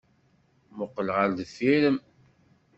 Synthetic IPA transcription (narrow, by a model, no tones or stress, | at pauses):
mʊqːəlʁaɾd̪əfːiɾəm